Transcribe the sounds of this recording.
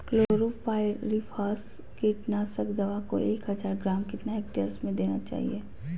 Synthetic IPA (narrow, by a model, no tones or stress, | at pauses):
kloːɾupaːɪɾipʰaːs | kiʈnaːsəkd̪ɐʋako̰ʔeːkɦɐzaːɾɡɾaːmkɪt̪naeːk̚ʈesmẽd̪eːnat͡ʃa̰ːɦḭeː